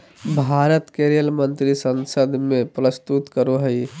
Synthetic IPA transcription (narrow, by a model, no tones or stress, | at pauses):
bʱaːɾət̪keɾijəlmə̃nt̪ɾisə̃nsəd̪ʱmẽpɾəst̪ut̪kəɾoɦəi